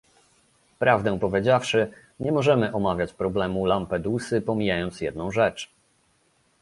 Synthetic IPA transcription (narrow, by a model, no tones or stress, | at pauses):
pɾavd̪ɛ̃pɔvʲjed͡ʑafʂɘ | ɲɛmɔʐɛmɘʔɔmavʲjat͡ɕpɾɔblɛmulampɛd̪usɘpɔmʲijajɔnt̪sjɛd̪nɔ̃w̃ʐɛt͡ʂ